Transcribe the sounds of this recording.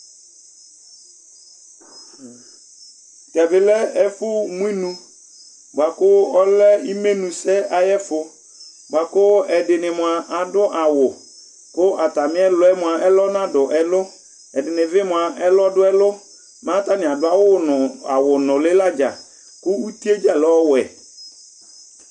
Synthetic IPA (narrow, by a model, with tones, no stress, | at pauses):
t̪ɛ˨bɪ˨lɛ˦ɛ˦fʊ˦mũ˦i˦nũ˦ | ba˨kʊ˦ɔ˦lɛ˦i˦me˦nũ˨sɛ˦a˨jɛ˦fʊ˨ | ba˨kʊ˦ɛ˨dɪ˨nɪ̃˨mʊ̃˨a˨ʔa˨dʊ˦ʔa˨wʊ˨ | kʊ˦ʔa˨ta˨mɪ̃˦ɛ˦lʊ˨˦ɛ˦mʊ̃˨a˨ʔɛ˦lɔ˦nã˦dʊ˨ʔɛ˨lʊ˦ | ɛ˨dɪ˨nɪ̃˨vɪ˦mʊ̃˨a˨ʔɛ˦lɔ˦dʊ˦ɛ˦lʊ˦ | mãː˦ta˦nɪ̃˨a˨dʊ˦a˦wa̰˨wʊ˨nʊ̃˨lɪ˦la˦d͡ʒa̰˨ | kʊ˦u˦t̪i˦e˦d͡ʒa˦lɔ˦wʊ˨ɛ˨